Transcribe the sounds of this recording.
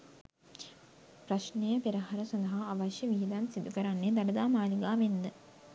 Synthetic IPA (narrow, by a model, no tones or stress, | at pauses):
pɾaʃnejəpiɾaɦaɾəsãnd̪ɐɦaːʋaʃjəʋiɦid̪ansid̪ukəɾanːed̪aləd̪aːmaːliɡaːʋend̪ə